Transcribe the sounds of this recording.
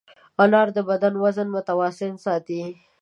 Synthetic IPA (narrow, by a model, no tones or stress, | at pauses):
alɑɾd̪əbad̪anwazənmʊt̪awɑsɪnsɑt̪i